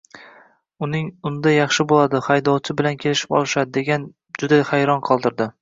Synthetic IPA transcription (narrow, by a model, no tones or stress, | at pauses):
ʊnɪŋʊnd̪ajɑχʃɪbolad̪ɪχajd̪ɒwt͡ʃʰɪbɪlankʲʰelɪʃɪ̥pɒ̰lˠɪʃad̪ɪd̪e̞ɡʲan | d͡ʒʊd̪ahajɾɒnqʰɒlˠd̪ɪɾd̪ɪ